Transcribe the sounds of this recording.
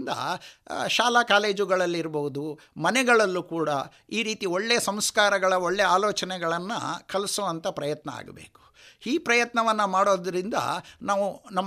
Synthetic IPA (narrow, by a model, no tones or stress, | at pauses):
nd̪ɐ̰ʃaːlakaːle̞ːd͡ʒuɡɐɭɐlːiɾɐboɦud̪u | mɐnɛɡɐɭɐlːukuːɽɐ | iːɾiːt̪ioɭːe̞ːsɐmskaːɾɐɡɐɭɐoɭːeaːloːt͡ʃɐnɛɡɐɭɐnːɐ̰kɐlsoːʋɐnt̪ɐpɾɐjɐt̪nɐa̰ːɡɐbḛːku̥ | iːpɾɐjɐt̪nɐʋɐnːɐmaːɽo̞ːd̪ɐɾind̪ɐ̰naːʋunɐmː